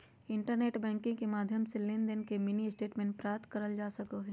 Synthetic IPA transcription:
ɪ̃ɳʈəɾneːʈbɛ̃ːŋkɪ̃kemaːd̪ʱjəmselɪnd̪ənkemɪniɪsʈeːʈmẽːɳʈpɾaːt̪kɐɾəld͡ʒaːsɐkoɦɛː

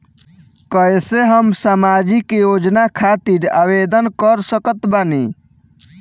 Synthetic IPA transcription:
kəjseɦəmsamad͡ʒikjod͡ʒnakʰat̪iɾa̰bed̪ənkəɾsəkət̪bani

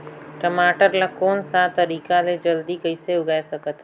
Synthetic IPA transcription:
ʈəmaːʈəɾlakoːnsat̪əɾiːkaled͡ʒəld̪ikəɪseʊɡaːjsɐkət̪

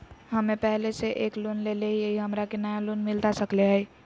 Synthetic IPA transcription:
ɦəmepɛɦleseʔeklonleleɦijeɦiɦəmɾakenajalonmilt̪asəkleɦəɪ

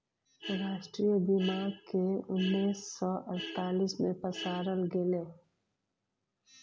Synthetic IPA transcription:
ɾaːʃʈɾijbimaːɾkeʊnːiːsːɔʔɐɾt̪aːlismẽpɐsaːɾəlɡɪle

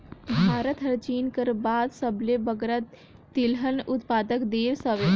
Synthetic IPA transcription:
bʱaːɾət̪ɦəɾt͡ʃiːnkəɾbaːd̪səblebəɡɾət̪ː | ilɦənʊt̪paːd̪əkd̪eːɾsəʋe

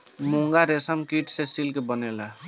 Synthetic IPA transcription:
muŋɡaɾesəmkiʈsesilkebənela

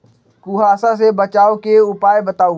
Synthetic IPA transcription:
kuɦaːsasebət͡ʃaːokeʊpaːjbət̪aːu

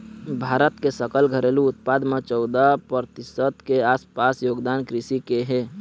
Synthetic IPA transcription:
bʱaːɾət̪kesəkəlɡʱəɾeluʊt̪̚pad̪met͡ʃɔʊd̪apəɾət̪ɪsət̪keaːspasjoːɡd̪ankɾɪsikeɦe

